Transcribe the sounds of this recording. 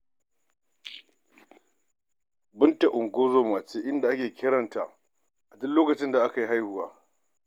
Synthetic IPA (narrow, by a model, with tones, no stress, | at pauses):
bʊ˦nta˨ʔʊ˨ŋɡʷoː˦zoː˦maː˨t͡ʃeː˦ʔɪ˦nda˨ʔa˦kʲeː˨kʲɪ˦ɽɐ˨nta˨ʔ | ʔa˨dʊ˦loː˦kɐ˨t͡ʃɪ˦nda˨ʔa˦ka˨ji˦ɦa˦jhʊ˨waː˦